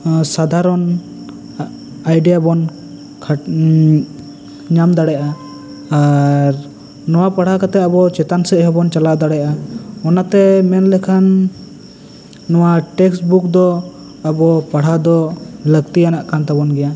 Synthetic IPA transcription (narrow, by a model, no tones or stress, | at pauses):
sad̪ʱaɾɔn | ajɖijabɔn | kʰ | ɲamd̪aɽɛjʔaː | ɾ | nɔwapaɽ̤ɦakat̪ɛabɔt͡ʃɛt̪ansɛʔɦɛbɔnt͡ʃalad̪aɽɛʔaɔnat̪ɛmɛnlɛkʰan | ɔwaʈɛksbukd̪ɔ | abɔpaɽ̤ad̪ɔləkt̪ijanaʔkant̪abɔnɡɛja